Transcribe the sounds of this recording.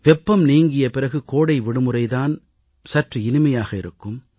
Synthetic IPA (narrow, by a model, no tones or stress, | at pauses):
ʋɛpːɐmniːŋɡɪjɐpɪrɐɣɯkoːɽɐɪʋɪɽɯmɯrɐɪðaːn | sɐʈriɪnɪmɐjaːɣɐɪ̰ɾɯkːɯm